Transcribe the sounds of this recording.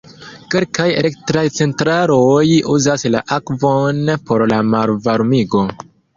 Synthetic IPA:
ke̞lkajḛlektɾajt͡se̞ntɾaɾojuzasla̰ʔakvo̞npo̞ɾlamaɾvaɾmiɡo̞

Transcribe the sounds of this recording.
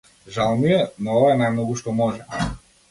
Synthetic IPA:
ʒalˠmujɛnɔɔvaɛnajmnɔɡuʃt̪ɔmɔʒɛ

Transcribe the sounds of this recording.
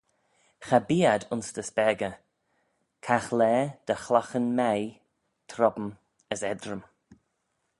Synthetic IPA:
xabiːad̪ʊnsd̪̥əspɛɡə | kʰaxlɛːd̪̥əxlaxənmɛj | t̪ʰɾɔbəm | əsɛd̪ɾəm

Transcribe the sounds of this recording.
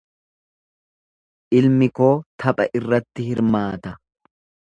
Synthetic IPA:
ʔɪlmɪko̞ːt̪ʰɐpʼɐ̰ʔɪrːɐt̪ːɪhɪɾmaːt̪ɐ

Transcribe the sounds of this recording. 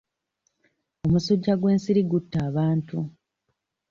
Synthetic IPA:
o̞musoɟːaɡwe̞ːnsiɾiɡutːaːβaːntu

